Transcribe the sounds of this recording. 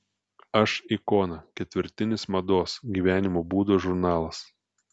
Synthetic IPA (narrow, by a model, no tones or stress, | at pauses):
ɐʃikɔːnɐkʲɛt̪ʲʋʲɪɾʲt̪ʲɪnʲɪsmɐd̪oːsɡʲiːʋʲæːnʲɪmoːbuːd̪oːʒʊɾnɑːlˠɐs